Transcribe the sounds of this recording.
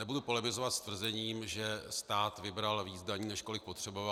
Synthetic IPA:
ɛbudupo̞lɪmɪzovat̪st̪vr̩zɛɲiːmʒɛst̪aːt̪vɪbɾalviːt͡sdaɲiːnɛʃko̞lɪk̚po̞t̪r̥ɛbova

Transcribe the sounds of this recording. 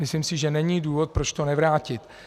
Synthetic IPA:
mɪslimsɪʒɛnɛɲiːduːvo̞t̪̚pɾot͡ʃt̪o̞nɛvɾaːcɪt̪

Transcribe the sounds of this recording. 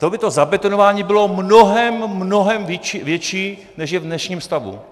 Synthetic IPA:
t̪obɪt̪o̞zabɛt̪onovaːɲiːbɪlo̞mno̞ɦɛmːno̞ɦɛmvvjɛt͡ʃiː | nɛʃjɛvdnɛʃɲiːmst̪avṵ

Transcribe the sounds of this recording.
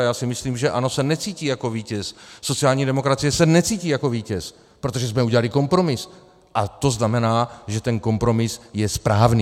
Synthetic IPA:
jaːsɪmɪsliːmʒɛʔano̞sɛnɛt͡siːciːjako̞viːcɛsso̞t͡siaːlɲiːdɛmo̞kɾat͡sijɛsɛnɛt͡siːciːjako̞viːcɛs | pɾo̞t̪o̞ʒɛs̬mɛuɟɛlalɪko̞mpɾo̞mɪs | ʔat̪o̞znamɛnaːʒɛt̪ɛnko̞mpɾo̞mɪsjɛspɾaːvniː

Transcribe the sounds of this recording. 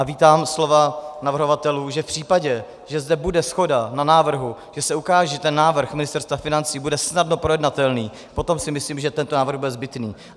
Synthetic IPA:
aviːt̪aːmslo̞vanavr̩ɦo̞vat̪ɛluːʒɛfpr̝̥iːpaɟɛ | ʒɛzdɛbudɛsxo̞dananaːvr̩ɦuʒ̥ɛsɛukaːʒɛɛt̪ɛnːaːvr̩xmɪnɪst̪ɛɾst̪vafɪnant͡siːbudɛsnadno̞pɾojɛdnat̪ɛlniː | po̞t̪o̞msɪmɪsliːmʒɛt̪ɛnt̪onaːvr̩ɣbudɛzbɪt̪nḭː

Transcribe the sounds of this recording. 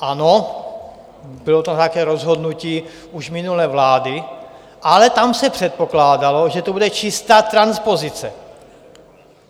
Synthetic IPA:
ʔano | bɪlot̪at̪akɛːɾozɦod̪nuciː | uʒmɪnulɛːvlaːdɪ | ʔalɛt̪amsɛpr̥ɛt̪̚po̞klaːdalo̞ʒɛt̪obudɛt͡ʃɪst̪aːt̪ɾanspo̞zɪt͡sɛ

